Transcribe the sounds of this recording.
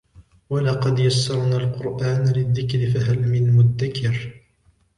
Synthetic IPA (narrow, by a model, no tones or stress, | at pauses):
walɑqɑd̪jasːɑɾˤnaːlqʊɾʔaːnlɪðːɪkɾɪfaɦalmɪnmʊd̪ːakʰɪɾ